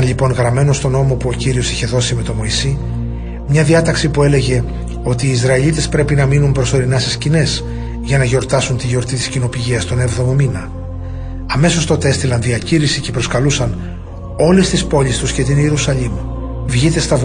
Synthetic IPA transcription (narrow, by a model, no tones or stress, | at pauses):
nʎipo̞nɣɾɐme̞no̞st̪o̞no̞mo̞puo̞ciɾio̞siçe̞ðo̞sime̞t̪o̞mo̞isi | mɲɐðiɐt̪ɐksipue̞le̞ʝe̞ | o̞t̪iːzɾɐilit̪e̞spɾe̞pinɐminumpɾo̞so̞ɾinɐse̞scine̞s | ʝɐnɐʝo̞ɾt̪ɐsunt̪iʝo̞ɾt̪it̪i̥scino̞piʝiɐst̪o̞ne̞vðo̞mo̞minɐ | ɐme̞so̞st̪o̞t̪e̞st̪ilɐnðiɐciɾisice̞pɾo̞skɐlusɐn | o̞le̞st̪ispo̞ʎist̪usce̞t̪iniɾusɐʎim | vʝit̪e̞st̪ɐv